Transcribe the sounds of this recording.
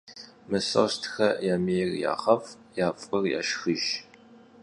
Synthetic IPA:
mɨsɐ̰stʰxɐjaːmijrja̰ːχɐf | jaːpʼɨrja̰ːʃxɨʒ

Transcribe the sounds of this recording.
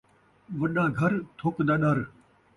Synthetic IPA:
ʋɐɗãːɡʱɐɾt̪ʰoːknd̪aːɗɐɾ

